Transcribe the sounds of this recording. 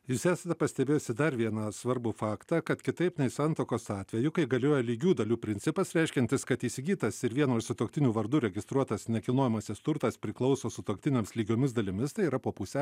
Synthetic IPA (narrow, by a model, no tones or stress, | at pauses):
juːsæːsɐt̪ʲɛpɐsʲt̪ʲɛbʲeːjosʲɪd̪ɐɾʋʲiɛnɐsʋɐɾbʊfɑːkt̪ɐkɐt̪kʲɪt̪ɐɪpnɐɪsɑnt̪oːkoːsɑːt̪ʲʋʲɛjʊkɐɪɡɐlʲoːjɛlʲiːɡʲuːd̪ɐlʲuːpʲɾʲɪnʲsʲɪpɐsɾʲɛɪʃʲkʲɛnt̪ʲɪskɐt̪iːsʲɪɡʲiːt̪ɐsɪɾʋʲiɛnoːɪʃsʲɪt̪oːkt̪ʲɪnʲuːʋɐɾd̪uːɾʲɛɡʲɪst̪ɾuɔt̪ɐsnʲɛkʲɪlˠnoːjɛmɐsʲɪst̪ʊɾt̪ɐspʲɾʲɪklˠɒʊsoːsʊt̪oːkt̪ʲɪnʲemʲɪslʲiːɡʲoːmʲɪsd̪ɐlʲɪmʲɪst̪ɐɪiɾɐpoːpusʲɛ